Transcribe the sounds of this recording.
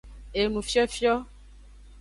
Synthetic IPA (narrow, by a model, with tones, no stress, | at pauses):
e˨nũ˨fi˦ɔ˦fi˦ɔ˦